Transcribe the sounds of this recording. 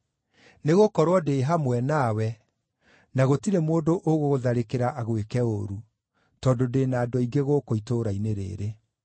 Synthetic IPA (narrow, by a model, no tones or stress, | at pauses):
neɣokɔɾwɔdeːɦamwɛnaːwɛ | naɣotiɾemoːdoʔoɣoɣoðaɾekeɾaʔaɣwekɛoɾu | tɔːndodeːnaːdɔiɡeɣokoitoɾaineɾḛːɾe